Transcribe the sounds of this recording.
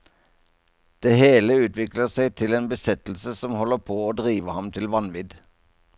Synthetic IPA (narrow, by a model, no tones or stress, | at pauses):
d̪̥eːheːləʉːt̪ʰʋɪkləʁsæɪt̪ʰɪleːnbəsɛt̪l̩səsɔmhɔlːəpʰoːoːd̪ʁiːʋəhɑmt̪ʰɪlʋɑnʋɪd̪